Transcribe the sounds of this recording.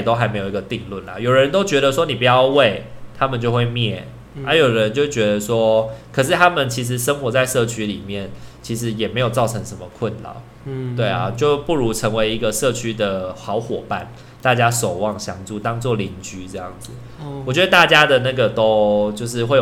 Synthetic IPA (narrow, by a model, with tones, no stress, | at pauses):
t̪o˥ʊxa˧ɪme˧˥jo˨˩i˧˥ɡə˨t̪i˥˧ŋlwə˥˩nlə̰˩jo˨˩ʊɻə˧˦nt̪o˥ʊt͡ɕɥɛ˧˥ɾə˨swɔ˥ni˨˩p̬u˨˩jɑ˥˧ʊwe˥˨˩ɪt̪ʰa˦˥mə˨nt͡ɕjo˥˧ʊxwe˥˧ɪmjɛ˥˩ | a˥jo˨˩ʊdə˨ɻə˧˦nt͡ɕjo˥˩ʊt͡ɕɥɛ˧˥d̪ə˨swɔ˥kʰə˨˩ʂ̬ɻ̩˥˩t̪ʰa˥mə˨nt͡ɕʰi˧˥ʂ̬ɻ̩˧˦ʂə˥ŋxwɔ˧˥t͡sa˥˧ɪʂɤ˥˧t͡ɕʰy˥li˨˩mjɛ˥˩nt͡ɕʰi˧˥ʂɻ̩˧˥jɛ˨˩me˧˥ɪjo˨˩ʊt͡sɑ˥˩ʊʈ͡ʂʰɤ˧˥ŋʂə˧˦nmə˧kʰwə˥˨nlɑ̰˨˩˦ʊ | t̪we˥˩ɪɐ̰˩t͡ɕjo˥˧ʊpu˥˩ɻu˧˥ʈ͡ʂʰə˧˥ŋwe˧˥ɪi˧˥ɡə˨ʂɤ˥˩t͡ɕʰy˥d̪ə˨˩xɑ˧˥ʊxwɔ˨˩pa˥˨n | t̪a˥˩t͡ɕja˥so˨˩ʊwɑ˥˩ŋɕjɑ˧˥ŋt͡su˥˩t̪ɑ˥ŋt͡swɔ˥˨˩li˧˥nt͡ɕy˧˥ʈ͡ʂɤ˥˧jɑ̰˥˩ŋd͡zɹ̩˩˦ | wɔ˨˩t͡ɕɥɛ˧˥ə˨˩t̪a˥˨t͡ɕja˥d̪ə˨na˥˩ɡə˩t̪o˥ʊt͡ɕjo˥˧ʊʂɻ̩˥˧xwe˥˩